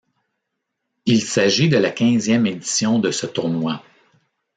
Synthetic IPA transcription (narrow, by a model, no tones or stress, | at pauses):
ilsaʒid̪əlakʲɛ̃zjɛmed̪i̥sjɔ̃d̪əsət̪ʊʁnwa